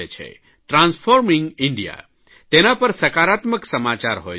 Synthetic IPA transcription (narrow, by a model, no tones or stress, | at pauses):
et͡ʃʰḛ | ʈɾãnsfʰoɾmiŋɡiɳɖija̰ | t̪enapəɾsəkaɾat̪məksəmat͡ʃaɾɦoj